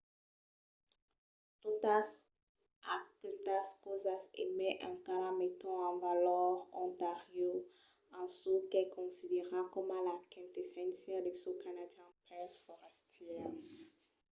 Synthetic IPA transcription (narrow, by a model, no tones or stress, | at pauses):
t̪ut̪as | akt̪askozasḛmɛʔɛ̰̃kaɾamet̪ɔ̃ãvalɔʁɔ̃nt̪aʁjo | ãsukɛkɔ̃sid̪eʁakɔmalakɛ̃nt̪esɛ̃nsjɛld̪esukanadjɛ̃pɛsfɔʁɛst̪jɛʁ